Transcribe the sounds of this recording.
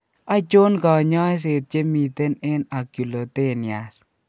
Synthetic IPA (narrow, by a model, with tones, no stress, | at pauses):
a˦t͡ʃo˦nɡɔ˨ɲɔ˦js̬e˨t̪̚t͡ʃe˦mi˨t̪e˦ne˦na˨ku˨lo˨t̪e˦ni˨a˨s